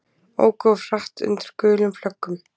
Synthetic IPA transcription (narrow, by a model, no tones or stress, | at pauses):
o̰ːwkɔ̥r̥aht̪ʏ̰nt̪ɪɾ̥kœːlʏmflœkːʏm